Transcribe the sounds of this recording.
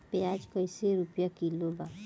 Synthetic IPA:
pjaːd͡ʒkəɪseɾʊpjakilobaː

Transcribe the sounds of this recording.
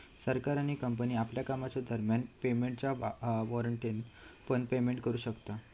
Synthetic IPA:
səɾkaɾaɽ̃ikəmpəniːapljakamat͡ɕad̪ʱəɾmjanpemeɳʈt͡ɕaʋɔɾəɳʈinpəɳpemeɳʈkəɾuːɕəkt̪a

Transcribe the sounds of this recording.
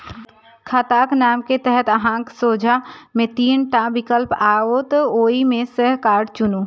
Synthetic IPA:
kʰat̪aːknaːmket̪ɛɦət̪əɦãːŋksoːd͡ʒʱamẽt̪iːnʈabɪkəlpaːoːt̪oːimẽsəɦkaːɾɖt͡ʃʊnuː

